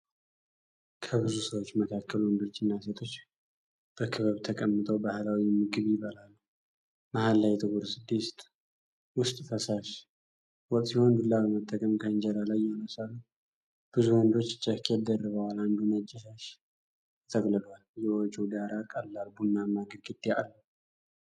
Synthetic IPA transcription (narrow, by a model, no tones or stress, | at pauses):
kʰəbɨzusəwot͡ʃːməkʰakʰːəluwɔnd̪o̞t͡ʃːɪnːaset̪ʰo̞t͡ʃː | b̥əkʰɨβəβt̪ʰəkʼəmːɨt̪ʼʰəwbahlawimɨɡɨβjɪβəlalː | mahalːajt̪ʰɨɡuɾsɨd̪ːist̪ʼ | wʊst̪ʼfəsaʃ | wɔkʼt̪siho̞nd̪ulːaβəmət̪ʼːəkʼəmkʰəɨnd͡ʒɛlalajːɛnəsalːu | b̥ɨzuwɔnd̪o̞t͡ʃːt͡ʃʼəkʰɛd̪ərːəβəwaland̪unəd͡ʒːɛʃaʃ | t̪ʰəɡʼlɨd̪waljɛot͡ʃʼud̪aɾakʼəlːalbunːamaɡəɾɡɨd̪ːea̰lːu